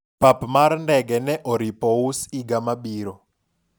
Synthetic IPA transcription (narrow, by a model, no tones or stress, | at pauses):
papmaɾndɛɡɛnɛʔɔɾipɔusiɡamaɓiːɾɔ